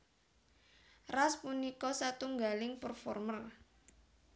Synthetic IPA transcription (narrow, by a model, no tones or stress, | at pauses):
raspunikɔsat̪uŋɡalɪŋpərfɔrmər